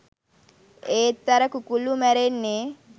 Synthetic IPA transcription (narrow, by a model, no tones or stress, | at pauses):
eːt̪ːɐɾɐkukulumɛɾenːe